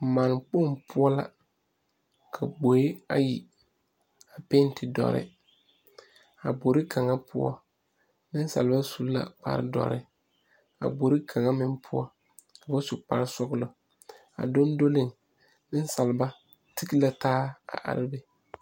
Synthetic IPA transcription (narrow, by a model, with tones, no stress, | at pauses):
maː˨n˨k͡po˦˨ŋpʰʊ˦ɔ˦la̰˨ | kʰa˨ɡ͡bo˨e˦a˦jḭ˨ | a˨pe˦n˦tʰɪ˨dɔ̰˨ɾɪ̰˦ | a˨bo˨ɾɪ˦kʰa˨ŋa˦pʰʊ˦ɔ̰˦ | nɪ˦n˦sa̰˨lba˦su˨lla̰˨k͡pa̰˨ɾɪ̰˦dɔ̰˨ɾɪ̰˦ | a̰˨ɡ͡bo˨ɾi˦kʰa˨ŋa˦mɪ˨mpʰʊ˦ɔ˦ | ka˨bʊ˦sʊ˨k͡pa̰˨ɾɪ˦sɔ˦ɣlʊ˨ | a̰˨do˦n˦do˦lɪ˦˨ŋ | nɪ˦n˦sa˨lɪ˨ba˦ | tɪ˦ki˦la˨taː˦a̰˨ʔa̰˨ɾɪ˦bɛ˦